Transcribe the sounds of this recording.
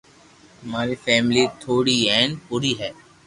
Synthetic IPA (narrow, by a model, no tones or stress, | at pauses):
ɐmaːɾifɛːmlit̪ʰoːɽiɛːnpuɾiɦɛː